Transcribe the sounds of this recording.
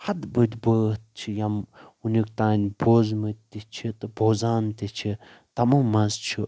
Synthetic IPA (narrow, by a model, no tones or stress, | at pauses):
hɐd̪bɨd̪ʲbəːt̪̚t͡ʃʰijɐmunʲikt̪aːnʲboːzmɨt̪̚ʲt̪ʲːit͡ʃʰit̪ɨboːzaːnt̪ʲit͡ʃʰi | t̪ɐmɐmɐzt͡ʃʰi